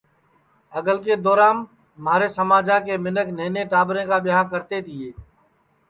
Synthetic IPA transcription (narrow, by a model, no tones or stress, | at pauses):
əɡəlkeːd̪ɔːɾaːnː | aːɾeːsəmaːd͡ʒaːkeːmɪnəkneːneːʈaːbɾẽːkaːbɪjaːkəɾt̪eːt̪ɪeː